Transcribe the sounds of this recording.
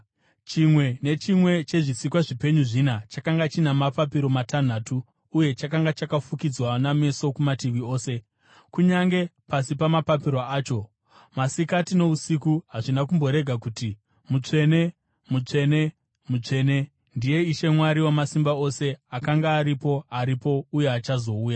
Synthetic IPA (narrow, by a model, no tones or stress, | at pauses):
t͡ʃimwe̞ne̞t͡ʃimwe̞t͡ʃe̞ʐisikwaʐipe̞ɲuʐinat͡ʃakaŋɡat͡ʃinamapapiɾo̞matʰan̤aːtuː | je̞t͡ʃakaŋɡat͡ʃakafukid͡zwaname̞so̞kumatiʋio̞ːse̞ | kuɲaŋɡe̞pasipamapapiɾoaːt͡ʃo̞ | masikatino̞usikuɦaʐinak̬umbo̞ɾe̞ɡʱakuti | mut͡ʂe̞ne̞ | mut͡ʂe̞ne̞ | mut͡ʂe̞ne̞ | ndije̞iʃe̞mwaɾiwamasimbao̞se̞akaŋɡaːɾipo̞aɾipo̞uje̞at͡ʃazo̞uːja